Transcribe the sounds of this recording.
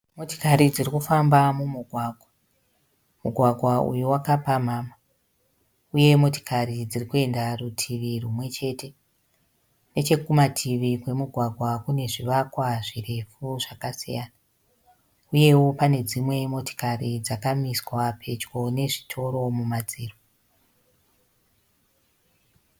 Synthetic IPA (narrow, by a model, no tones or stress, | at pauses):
mo̞to̥kaɾid͡zirikufambamumuɡʱwaːɡʱwa | muɡʱwaɡʱwaṵjuwakapamaːma | uje̞mo̞to̥kʰaɾid͡zirikue̞ndarutʰiʋirumwe̞t͡ʃe̞te̞ | ne̞t͡ʃe̞kumatʰiʋikwe̞muɡʱwaɡʱwakune̞ʐiʋakwaʐire̞fuʐ̥akasijaːna | uje̞wo̞pane̞d͡zimwe̞mo̞to̥karid͡zakamiswapʰe̞t͡ʃɡo̞ne̞ʐitʰo̞ɾo̞mumad͡ziːro